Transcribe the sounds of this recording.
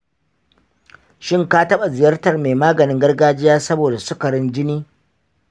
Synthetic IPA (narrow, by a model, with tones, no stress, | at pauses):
ʃɪ˦ŋkaː˦tɐ˦ɓa˨zɪ˨jɐ˦rtɐ˨rmeː˨maː˦ɡɐ˨nɪ˦ŋɡɐ˦rɡaː˦d͡ʒɪ˦jaː˦sɐ˦boː˨da˨sʊ˦kɐ˨ɽɪ˦nd͡ʒɪ˦niː˦